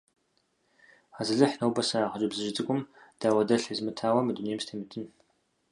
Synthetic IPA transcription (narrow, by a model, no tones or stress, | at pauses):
aːzɨɮɨħnɐwbɐsɐaʁɐt͡ʃʼɪbzɨʒɪt͡sʼɨkʷʼʊmd̥aːwɐdɐɬizmɨtʰaːwɐmɨdunejmstʰɐmɨtʰɨn